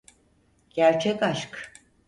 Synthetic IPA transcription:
ɟ̥æɾt͡ʃʰɛkaʃk

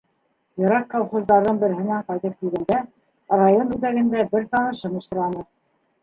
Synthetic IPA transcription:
jɤ̆ɾɑkːolˠχozd̪ɑɾðɤɴbɘ̆ɾɘ̆hɘ̆næɴqɑjt̪ɤp̚kilɡæ̆nd̪æ | rajonbʉðæɣɘ̆nd̪æbɘɾt̪ɑnɤ̆ʃɤmɤ̆ʃt̪ɤ̆ɾɑnɤ

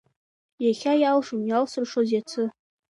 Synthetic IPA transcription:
jaχʲajalʂomjalsɨrʂozjat͡sʰɨ

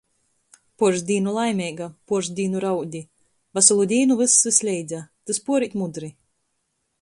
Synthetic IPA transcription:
pɔɾzd̪ʲiːnulˠajmʲɛɡapuɔɾzd̪ʲiːnuɾawd̪ʲi | vasalˠud̪ʲiːnuvɨsːɨsʲlʲɛjd̪zat̪ɨspuɔɾit̪mud̪ɾi

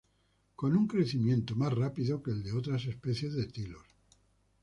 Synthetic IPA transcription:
ko̞nuŋkɾe̞θimjẽ̞nt̪omasrapiðokeːld̪eo̞t̪ɾas̬e̞spe̞θje̞zðet̪ilo̞̰s

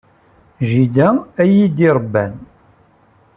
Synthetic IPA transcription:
ʒid̪ææjid̪iɾˤəbːæn

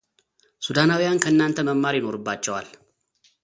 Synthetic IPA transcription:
sud̪anawijankʰəɨnːant̪ʰəməmːaɾjɪno̞ɾɨbːat͡ʃːɛwa̰l

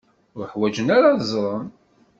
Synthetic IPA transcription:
ʊɾəħwæd͡ʒənaɾazˤɾˤɑn

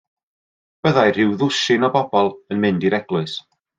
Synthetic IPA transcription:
b̥əðajr̥ɪwðʊʃɪnɔbɔbɔlˠənmɪndiɾɛɡ̥lˠʊɨs

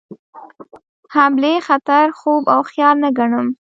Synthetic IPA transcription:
hamlexat̪aɾxobawxjɑlnaɡaɳəm

